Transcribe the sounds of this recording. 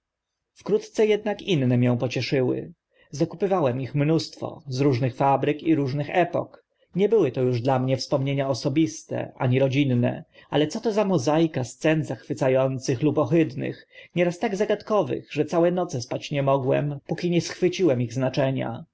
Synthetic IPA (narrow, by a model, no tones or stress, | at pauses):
fkɾut̪t̪sɛjɛd̪nakinːɛmʲjɛ̃w̃pɔt͡ɕɛʂɘwɘ̰ | zakupɘvawɛmixmnust̪fɔ̰zɾuʐnɘxfabɾɘkiɾuʐnɘxɛpɔ̰k | ɲɛbɘwɘt̪ɔjuʐd̪lamɲɛfspɔmɲeɲaɔsɔbʲist̪ɛ̰ʔa̰ɲiɾɔd͡ʑinːɛ̰ʔa̰lɛt̪sɔt̪ɔzamɔzajkast̪sɛnzaxfɘt̪sajɔnt̪sɘxlupɔxɘd̪nɘ̰xɲɛɾast̪aɡzaɡat̪kɔvɘ̰ɣʐɛt̪sawɛnɔt̪sɛspat͡ɕɲɛmɔɡwɛ̰mpukʲiɲɛsxfɘt͡ɕiwɛmiɣznat͡ʂɛɲa̰